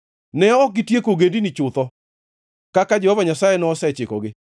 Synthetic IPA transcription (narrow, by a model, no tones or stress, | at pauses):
nɛɔk̚ɡɪtjekoɡendinit͡ʃʊt̪ɔ | kakad͡ʒɛhɔvaɲasajenɔːsɛt͡ʃɪkɔɡɪ